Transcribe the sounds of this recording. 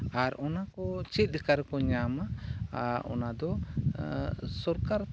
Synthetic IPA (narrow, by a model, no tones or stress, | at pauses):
aɾɔnakɔt͡ʃit̪̚ˀd̪ikaɾkɔɲama | ɔ̰nad̪ɔ | sɔɾkaɾ